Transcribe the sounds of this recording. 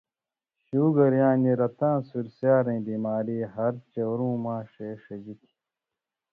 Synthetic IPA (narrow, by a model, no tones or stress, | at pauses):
ɕuːɡɐɾjãːniɾɐt̪ãːsuɾsjaːɾẽbimaːɾiːɦɐɾt͡ɕɐwɾũːmãːʂeːʂɐd͡ʑik̪ʰi̥